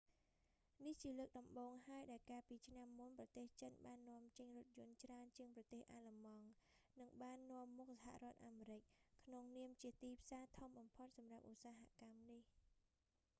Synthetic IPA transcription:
niht͡ɕiələːk̚ɗɑmɓoːŋɦaəjɗaɛlkaːpiːt͡ɕʰnamːunprɑt̪eːht͡ɕənɓaːnːŏəmt͡ɕəɲrʊ̆t̪̚jʊ̆ənt͡ɕraənt͡ɕiəŋprɑt̪eːhʔaːlamɑŋnɨŋɓaːnːŏəmːuk̚saɦa̰ʔrŏət̪̚ʔaːmeːɾɨc̚kʰnoŋniəmt͡ɕiət̪iːpʰsaːt̪ʰomɓɑmpʰot̪̚sɑmrap̚ʔusaːɦaʔkamnih

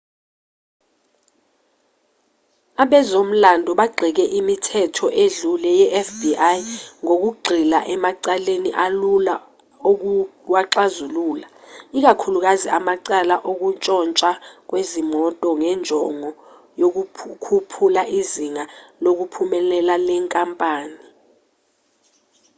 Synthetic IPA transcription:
aɓɛzom̩landʱɔɓaɡ͡ǃʱik̬ɛʔimitʰɛtʰɔʔeɮulɛjɛʔɛfbiʔajŋok̬uɡ͡ǃʱila̰ʔɛmaǀaleniʔalula | owaǁazuluːlaik̬akʰuluk̬aziʔamaǀalaʔok̬ut͡ʃʼɔnt͡ʃʼak̬wezimɔtʼɔŋɛnd͡ʒʱɔŋɔ | jok̬ukʰupʰulaʔiziŋalok̬upʰumɛlɛlalɛŋkʼampʼaːni

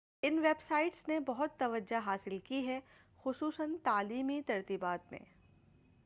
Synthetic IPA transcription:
ɪnʋeːbsaːɪʈsnebɐɦʊt̪ːɐʋəd͡ʒaɦaːsɪlkiɦɛ | xʊsuːsənt̪aːliːmit̪ɐɾt̪ibaːt̪mḛ̃ː

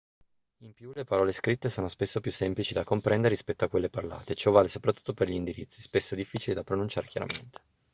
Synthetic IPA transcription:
impjulepaɾɔːleskɾit̪ːesoːnospesːopjusːɛmplit͡ʃid̪akːompɾɛnd̪eɾerispɛt̪ːoakːwelːeparla̰ːt̪et͡ʃɔvːaːlesopɾat̪ːu̥t̪ːoperʎind̪iɾit̪sispesːod̪ifːiːt͡ʃilid̪apɾonunt͡ʃaːɾek̟ja̰ɾa̰mḛnt̪e̥

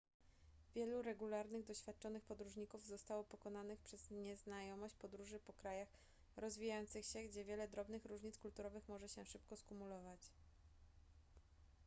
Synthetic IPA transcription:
vʲjɛluɾɛɡulaɾnɘɣd̪ɔɕfʲjat̪̚t͡ʂɔnɘxpɔd̪ɾuʐɲikuvzɔst̪awɔpɔkɔnanɘxpʂɛz̥ɲɛznajɔmɔɕt͡ɕpɔd̪ɾuʐɘpɔkɾajax | ɾɔzvʲijajɔnt̪sɘxɕɛɡd͡ʑɛvʲjɛlɛd̪ɾɔbnɘxɾuʐɲit̪skult̪uɾɔvɘxmɔʐɛɕɛʂɘp̚kɔskumulɔvat͡ɕ

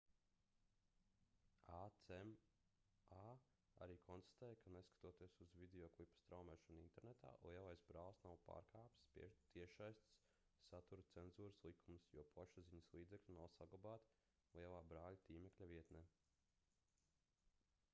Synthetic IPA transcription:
aɛm | a | a̰ɾiːkʰɔnst̪ḁt̪ɛːjkaneskḁt̪uɔt̪iɛsuzvid̪eɔːklˠipːɐ̥st̪ɾawmɛːʃɔnint̪ɛɾnet̪a̰ːlˠʔjɛvajsbɾaːlˠsnawpa̰ːɾkʰaːpt̪pt̪iɛʃajst̪sː | at̪uɾt̪senzuːɾslˠikʰumsjuɔpʰaʃuziɲɐslˠiːd̪zeklʲunawsaɡlˠabaːt̪ | lijɛvaːbɾaːlʲat̪iːmɛklʲaviɛt̪nɛː

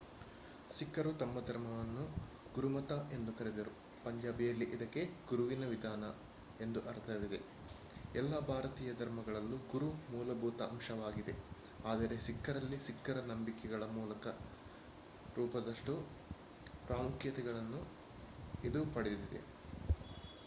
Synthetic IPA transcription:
sikːɐɾut̪ɐmːɐd̪ʱɐɾmɐʋɐnːu | ɡuɾumɐt̪aʔe̞nd̪ukɐɾɛd̪ɐɾu | pɐɲd͡ʒaːbijɐlːiʔid̪ɐkːe̞ɡuɾuʋinɐʋid̪ʱaːnɐ | e̞nd̪uʔɐɾt̪ɐʋid̪e̞̰ | ɛlːɐbʱaːɾɐt̪iːjɐd̪ʱɐɾmɐɡɐɭɐlːuɡuɾumuːlɐbʱuːt̪ɐɐmʃɐʋaːɡid̪e̞ | aːd̪ɐɾe̞sikːɐɾɐlːisikːɐɾɐnɐmbikɛɡɐɭɐmuːlɐkɐ | ɾuːpɐd̪ɐʂʈu | pɾaːmukjɐt̪ɛɡɐɭɐnːu | id̪upɐɽed̪d̪id̪e̞̰

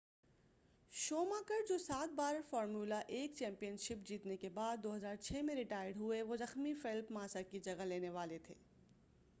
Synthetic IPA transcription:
ʃoːmaːkəɾd͡ʒoːsaːt̪̚baːɾfɔːɾmjuːlaʔeːk̚t͡ʃɛ̃ːmpijənʃɪp̚d͡ʒiːt̪nekebaːd̪ːoːɦɐzaːɾt͡ʃʰɛːmẽɾɪʈaːjəɖɦʊeʋozɐxmifɪlpmãːsəɾkid͡ʒɐɡaleːneʋaːlet̪ʰeː

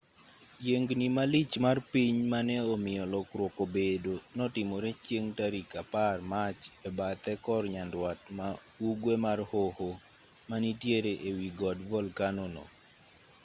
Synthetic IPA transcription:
jeŋɡnimalit͡ʃmarpiɲmanɛɔmɪjɔlɔkɾwokobedonɔtɪmɔɾɛt͡ʃjeŋtaɾikaparmat͡ʃɛbat̪ɛkɔrɲandwatma | uɡwemarhoho | manitjeɾeʔewiɡɔdvɔlkanɔnɔ̰

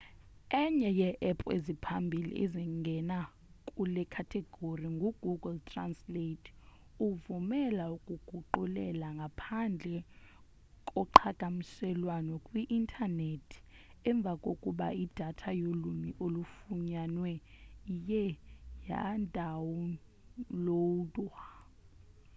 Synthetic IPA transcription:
ɛɲɛjɛʔɛpʼḛzipʰambʱilḭʔḛziŋɡʱɛna | kʼulɛkʰatʰɛɡ̥ʱoriŋɡʱuɡ̥ʱuɡɛltʰʼransletʰʼ | uvumɛlaukʼuɡ̥ʱuǃulɛlaŋɡʱapʰand͡ɮʱɛ | kʼɔǃʰaɡ̥ʱʼamisɛlwanɔkʼwiʔintʰʼanetʰi̥ɛɱb̪vʱakʼokʼuɓa̰id̥ʱatʰajolumiʔolufuɲanwɛjɛja̰ndʱawɔ | lotʼwa

